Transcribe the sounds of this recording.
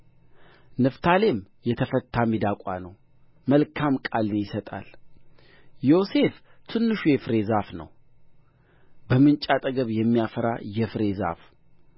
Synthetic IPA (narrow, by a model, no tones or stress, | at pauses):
nɨft̪ʰale̞mjɛt̪ʰəfət̪ʰːamid̪akʷʼa̰nəw | məlkʰamkʼalɨnjɪsət̪ʼa̰l | jo̞se̞ft̪ʰɨnːɨʃujɛfɾe̞zafnə̰w | bəmɨnt͡ʃʼat̪ʼəɡəβjɛmːijafəɾa̰jɛfɨɾe̞za̰f